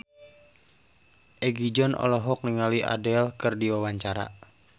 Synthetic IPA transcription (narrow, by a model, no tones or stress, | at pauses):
ʔɛɡid͡ʒɔnɔ̰lɔɦɔk̚niŋaliʔa̰dɛlkɨrdiwawaɲt͡ʃaɾa̰